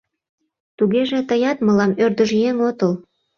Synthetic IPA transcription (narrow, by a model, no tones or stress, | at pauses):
t̪uɣeʒĕt̪əjɑt̪məlɑmørd̪əʒjeŋot̪əl